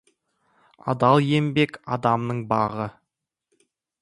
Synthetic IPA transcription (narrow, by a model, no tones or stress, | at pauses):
ɑ̰d̪ɑlˠje̞mbe̞kɑd̪ɑmnəɴbɑʁə